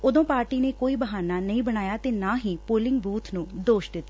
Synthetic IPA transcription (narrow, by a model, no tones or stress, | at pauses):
ʊd̪õːpaːɾʈiːneːkoːiːbəɦaːnaːnəĩːbəɽ̃aːjaːt̪eːnaːɦiːpoːlɪŋɡbuːt̪ʰnũːd̪oːʃd̪ɪt̪ː